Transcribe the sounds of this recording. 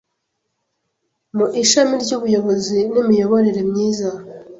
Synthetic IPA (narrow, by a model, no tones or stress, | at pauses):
muʔiʃamiɾɟuβujo̞βo̞zinimijo̞βo̞ɾeɾe̞mɲiːza